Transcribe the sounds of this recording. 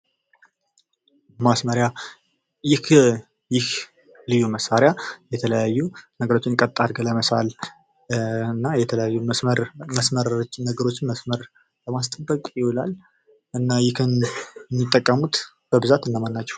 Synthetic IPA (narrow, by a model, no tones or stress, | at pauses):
masməɾja | jɪh | jɪh | lɨjuməsːaɾjajɛt̪ʰələjajːunəɡəɾo̞t͡ʃːɪnkʼət̪ʼːaɾɡələməsa̰l | nːajɛt̪ʰələjajːuəɾməsməɾt͡ʃːnəɡəɾo̞t͡ʃːɪnməsməɾ | ləmast̪ʼəbːəkʼjɪwulal | ʔɨnːajɪkɨnmːɨt̪ʼːəkʼːəmut̪ | b̥əbɨzat̪ɨnːəmanːat͡ʃːɛ̥w